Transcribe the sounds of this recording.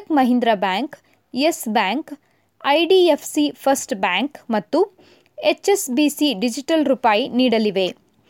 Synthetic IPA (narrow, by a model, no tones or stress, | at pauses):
kmɐɦind̪ɾɐbaːŋk | esbaːŋk | ɐjɖiepʰsipʰɐsʈbaːŋkmɐt̪ːu | et͡ʃesbisiɖid͡ʒiʈɐlɾupaːjiniːɽɐliʋe̞